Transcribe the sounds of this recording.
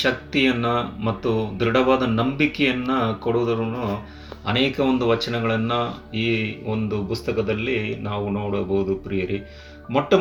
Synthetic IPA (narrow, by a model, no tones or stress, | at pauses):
ʃɐk̚t̪ijɐnːɐmɐt̪ːud̪ɾiɽɐʋaːd̪ɐnɐmbikɛjɐnːɐkoɽuːd̪ɐɾunːu | ɐ̰nɛːkɐond̪uʋɐt͡ʃɐnɐɡɐɭɐnːɐiːond̪upust̪ɐkɐd̪ɐlːinaːʋunoːɽɐbɐɦud̪upɾijɐɾi | mɔʈːɐ